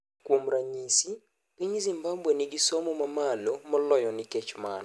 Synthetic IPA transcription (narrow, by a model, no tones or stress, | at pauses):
kwomɾaɲisi | kiɲizimbabweniɡisɔmɔmɐmalomɔlɔjɔnikɛt͡ʃma̰n